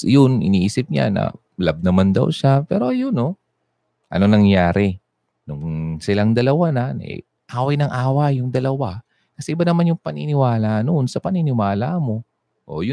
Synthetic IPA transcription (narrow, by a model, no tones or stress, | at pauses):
jʊnʔɪ̰niːʔiːsɪp̚ɲa̰nɐ̰ | lab̚nɐmand̪ɐ̰wʃapɛːɾo̞jʊno | ʔɐ̰nonɐŋjaːɾɛ | nʊŋsɪlaŋd̪ɐlɐwananʔɛ̰ | ʔaːwɐjnɐŋʔaːwɐjːʊŋd̪ɐlɐwa | kɐsɛʔɪbanɐmanjʊŋpɐnɪnɪwaːlaʔnoʔnsɐpɐnɪnɪwaːlamo̞ | ʔo̰jʊ